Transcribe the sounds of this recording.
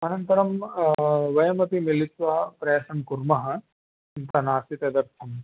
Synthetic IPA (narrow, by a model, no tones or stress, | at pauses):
ɐnɐnt̪ɐɾɐm | ʋɐjɐmɐt̪imilit̪ʋɐɦɐpɾɐɐʂɐmkuɾmɐɦɐ̆ | nt̪ɐnaːsit̪ɐd̪ɐɾt̪ʰɐm